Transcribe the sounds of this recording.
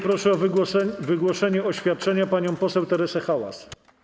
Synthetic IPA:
pɾɔʂɛɔvvɘɡwɔʂɛɲɛɔɕfʲjat̪̚t͡ʂɛɲapaɲɔ̃w̃pɔsɛwt̪ɛɾɛsɛxawa̰s

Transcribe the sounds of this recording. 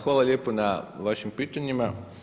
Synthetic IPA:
xʋaːlˠalʲjeponaʋaʃimpiːt̪aɲima

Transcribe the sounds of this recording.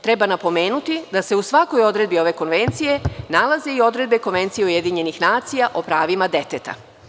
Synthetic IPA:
t̪ɾe̞banapo̞me̞ːnut̪id̪ase̞usʋako̞jo̞d̪ɾe̞d̪̚bio̞ʋe̞ko̞nʋe̞nt̪sije̞nalˠaze̞io̞d̪ɾe̞d̪̚be̞ko̞nʋe̞nt̪sijeuje̞d̪iɲe̞nixnaːt̪sijaʔopɾaːʋimad̪e̞t̪et̪a̰

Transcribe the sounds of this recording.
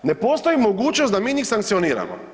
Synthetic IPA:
ne̞poːst̪oimoɡuːt͡ʃnosd̪amiːnixsaŋkt̪sijoniːɾa̰mo̰

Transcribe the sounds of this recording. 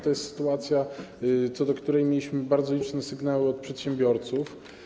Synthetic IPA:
t̪ɔjɛst̪sɘ̥t̪uat̪sʲjat̪sɔd̪ɔkt̪uɾɛjmʲjelʲiɕmɘbaɾd̪zɔlʲit͡ʂnɛsɘɡnawɘɔt̪̚pʂɛt̪ɕɛ̃mbʲjɔɾt̪suf

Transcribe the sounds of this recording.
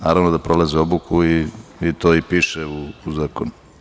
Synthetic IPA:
naːɾaʋnod̪apɾolaziobukʰuiit̪oːipiʃɛuːzaːkonu

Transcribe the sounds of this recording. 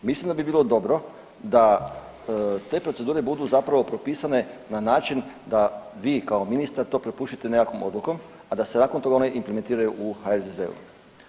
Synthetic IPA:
mislimd̪abibiːlod̪o̞bɾo̞ | d̪a | t̪e̞ːpɾo̞t̪e̞d̪uːɾe̞bud̪uzapɾaʋo̞pɾo̞piːsane̞nanaːt͡ʃind̪aʋiːkao̞minist̪aɾt̪o̞ːpɾepuːʃt̪i̥t̪e̞nejako̞mʔo̞̰d̪luko̞m | ad̪ase̞naːkont̪o̞ɡaoneʔimpleme̞nt̪iːɾajuʔuxaelzezḛṵ

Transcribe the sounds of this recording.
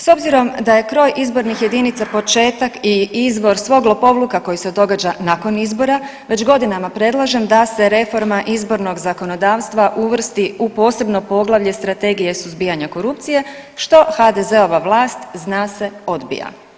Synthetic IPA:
so̞bziɾo̞md̪aje̞kɾo̞ːjʔizbo̞ɾnixje̞d̪init̪sapo̞t͡ʃe̞ːt̪akiizbo̞ɾsʋo̞ɡlˠopo̞ʋlˠukako̞jise̞d̪o̞ɡad͡ʒanako̞nizbo̞ɾa | ʋe̞d͡ʑɡo̞d̪inamapɾed̪lˠaʒe̞md̪ase̞ɾe̞fo̞ɾmaʔizbo̞ɾno̞ɡzako̞no̞d̪aːʋst̪ʋaʔuʋr̩st̪iupo̞ːse̞bno̞po̞ɡlˠaʋʎest̪ɾat̪e̞ɡije̞suzbijaɲako̞ɾup̚t̪sije̞ | ʃt̪o̞xad̪eze̞o̞ʋaʋlˠaːst̪znaːse̞o̞d̪bḭja̰

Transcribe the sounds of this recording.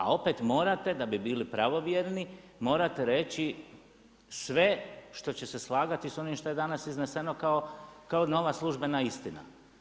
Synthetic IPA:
a̰o̞pe̞t̪mo̞ːɾat̪e̞d̪abibiːlipɾaʋo̞ʋjeɾni | mo̞ːɾat̪eɾe̞t͡ɕi | sʋe̞ʃt̪o̞t͡ɕe̞se̞slˠaːɡat̪iso̞nimʃt̪o̞je̞d̪anasiznese̞no̞kaokaono̞ʋaslˠuʒbe̞naist̪ina̰

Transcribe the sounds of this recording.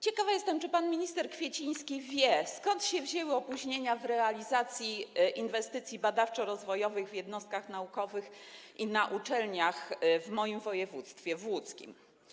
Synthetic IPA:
t͡ɕɛkavajɛst̪ɛmt͡ʂɘpanmʲiɲist̪ɛɾkfʲjet͡ɕij̃skʲivʲjɛskɔnt̪ɕɛvʑɛwɘɔpuʑɲeɲavɾɛalʲizat̪sʲjiʔinvɛst̪ɘt̪sʲjibad̪aft͡ʂɔɾɔzvɔjɔvɘɣvʲjɛd̪nɔst̪̚kaxnaukɔvɘx | ʔinaʔut͡ʂɛlɲaxvmɔjimvɔjɛvut̪st̪fʲjɛvwut̪skʲḭm

